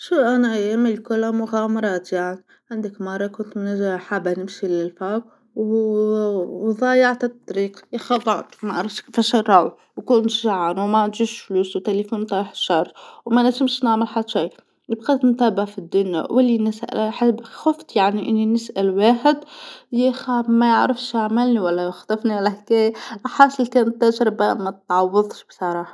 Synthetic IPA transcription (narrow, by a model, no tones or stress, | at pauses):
ʃuʔænæjmilkʊlːæmʊɣæmɑɾˤɑːt̪jaʕni | ʕand̪əkmɑrˤːɑkʊnt̪mnɪʒaħabanɪmʃilɪlfaq | w | ðˤɑjɑʕt̪at̪ˤːɾiːqjxɑd̪ˤɑʕt̪mæʔɑɾˤɑft̪kfæʃərˤːɑw | wkʊnt̪ʒaʕanwmæʕʒiʃfluːswt̪ælifunt̪ˤɑħʃːɑɾˤt̪ˤwmænæt̪ɪmʃnaʕməlħad̪ːʃij | nɪbqɑt̪nt̪æːbaʕfid̪ːʊnja̰wʔɪlːinɪsʔæ̰lħabxʊft̪ˤjaʕniʔɪnːinɪsʔælwaːħɪd̪jɪxæmæjəʕɾəfʃjaʕmɪlniwælːæxt̪ˤɑfniwalːæhkæjħasɪlkænt̪ːæʒɾɪbamæt̪ʕɑwːɑðˤʃbsˤɑɾˤɑːħɑ̥